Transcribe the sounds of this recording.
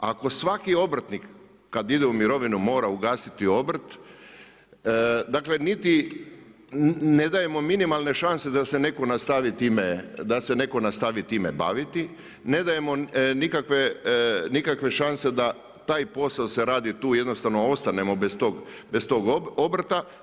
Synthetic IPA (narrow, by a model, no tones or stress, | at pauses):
ako̞sʋakio̞bɾt̪nikː | ad̪id̪eumiɾo̞ʋinumo̞ːɾauɡaːsit̪io̞bɾ̩t̪ | d̪akle̞nit̪i | ned̪aje̞mo̞minimalˠne̞ʃanse̞d̪ase̞ne̞ko̞nast̪aʋit̪iːmed̪ase̞ne̞ko̞nast̪aʋit̪iːmḛba̰ːʋit̪i | ne̞d̪aje̞mo̞nikakʋe̞nikakʋe̞ʃanse̞d̪a | t̪aːjpo̞saose̞ɾaːd̪it̪uːje̞d̪no̞st̪aʋnoo̞st̪ane̞mo̞best̪oɡbest̪o̞ːɡo̞bɾt̪a